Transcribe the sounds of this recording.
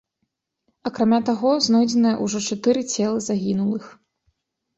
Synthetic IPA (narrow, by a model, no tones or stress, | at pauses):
ɐkɾamʲat̪aɣɔznɔjd͡zʲɛnɐjɐ̰ʔuʐɔt͡ʂat̪ɨɾɨt͡sʲɛlˠɐzaɣʲinulˠɨx